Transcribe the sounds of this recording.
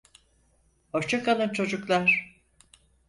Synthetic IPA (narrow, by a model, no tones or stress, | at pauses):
oɾt͡ʃʰakʰalˠɯnt͡ʃʰo̞d͡ʒuklˠaɾ̥